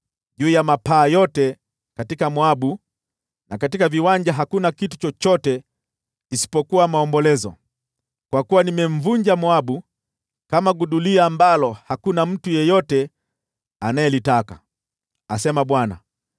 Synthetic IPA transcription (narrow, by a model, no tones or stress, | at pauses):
ʄuːjamapaːjɔtɛ | katikamwaɓu | nakatikaviwaɲd͡ʒaɦakunakitu̥t͡ʃɔt͡ʃɔtɛ | kisi̥pɔkuwamaɔmbɔlɛzɔ̰ | kwakuwanimɛɱ̩vuɲd͡ʒamwaɓu | kamaɡuɗuliaːmbalɔhakunam̩tujɛjɔtɛ | anajɛlitaka̰ | asɛmaɓwana̰